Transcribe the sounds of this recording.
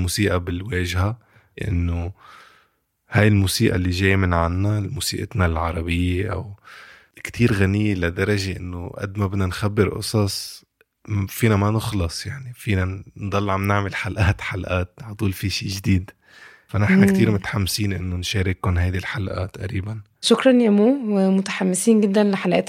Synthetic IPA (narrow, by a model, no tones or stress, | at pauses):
muːsiːʔabɪlweːʒha | ʔɪ̰nːo | hajɪlmuːsiːʔa̰lːiʒeːjmɪnʕanːalmuːsḭːʔɪ̰t̪nalʕɑɾˤɑbɪjːeʔa̰w | kt̪ʰiːɾɣanɪjːelad̪ɑɾˤɑʒeʔɪnːoʔa̰d̪mabɪnanxabːɪɾʔʊ̰sˤɑsˤ | fiːnamanɪxlɑsˤjaʕnifiːnand̪ˤɑlːʕamnɪʕmelħalʔaːt̪ħalʔaːt̪̚ʕt̪ˤuːlfiʃiːʒd̪iːd̪ | fanɪħnakt̪iːɾmʊt̪ħamːsiːnʔɪnːonʃeːɾɪkʊnɦajd̪ilħalʔa̰ːt̪ːʔa̰ɾiːban | ʃʊkɾˤɑnjamuːmʊt̪ḁħamːɪsiːnɡɪd̪ːanlɪħalʔet̪